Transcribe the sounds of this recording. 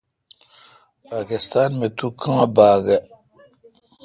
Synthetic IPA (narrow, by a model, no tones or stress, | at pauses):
pakist̪anmet̪ukʰɨŋabaːɡɛ